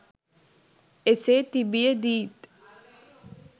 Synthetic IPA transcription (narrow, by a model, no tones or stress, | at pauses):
eseːt̪ibijəd̪iːt̪